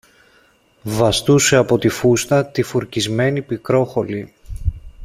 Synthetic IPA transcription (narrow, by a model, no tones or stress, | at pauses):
vɐst̪use̞ɐpo̞t̪ifust̪ɐt̪ifuɾcizme̞nipikɾo̞xo̞li